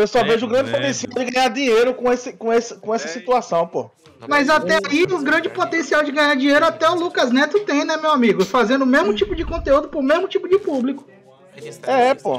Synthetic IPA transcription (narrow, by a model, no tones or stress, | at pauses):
ewsɔveʒʊːɡɾɐ̃d͡ʒɪpot̪ẽsiawd͡ʒɪɡɐ̃ɲaɾd͡ʒĩɲejɾʊkõesɪkõesɐkõɛsɐsit̪uasɐ̃w̃po̰h | mɐjzat̪ɛaiʊɡɾɐ̃d͡ʒɪpot̪ẽsiawd͡ʒɪɡɐ̃ɲaɾd͡ʒĩɲejɾʊat̪ɛʊlukɐznɛt̪ʊt̪ẽj̃nɛmewamiɡʊfazẽnd̪ʊmezmʊt͡ʃipʊd͡ʒɪkõnt̪eud̪ʊpʊɾmezmʊt͡ʃipʊd͡ʒɪpublikʊ̥ | ɛpo̰